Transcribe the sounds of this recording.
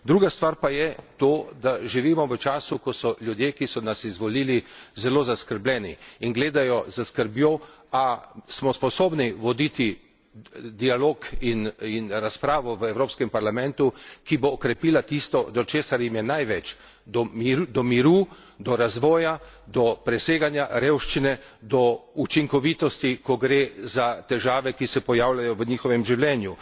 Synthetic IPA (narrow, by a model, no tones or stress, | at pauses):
d̪ɾuːɡast̪ʋaɾpajɛt̪oːd̪aʒiʋiːmɔʋət͡ʃaːsukɔsɔljud̪jeːkisɔnasizʋɔliːlizɛloːzaskəɾblʲɛːnḭːnɡleːd̪ajɔzəskəɾbjoasmɔspɔsoːbniʋɔd̪it̪i | d̪ialoːkininɾaspɾaːʋɔʋəɛwɾoːpskɛmpaɾlamɛ̃nt̪ukiboːkɾɛpiːlat̪ist̪ɔd̪ɔt͡ʃeːsaɾjimjɛnajʋɛt͡ʃ | d̪ɔd̪ɔmiɾuː | d̪ɔɾazʋɔːja | d̪ɔpɾɛseːɡanjaɾeːwʃt͡ʃinɛ | d̪ɔut͡ʃiŋkɔʋit̪ɔst̪ikɔɡɾezat̪ɛʒaːʋɛkisɛpɔjaːwlajɔʋəɲiːxɔʋɛmʒiwlɛːnju